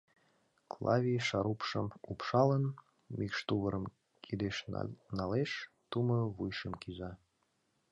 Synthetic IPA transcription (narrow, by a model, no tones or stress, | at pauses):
klˠɑ̰vʲijʃɑɾupʃəmupʃɑlən | mikʃt̪uβəɾəm | kʰid̪eʃnɑleʃ | t̪umɤβujʃəmkizɑ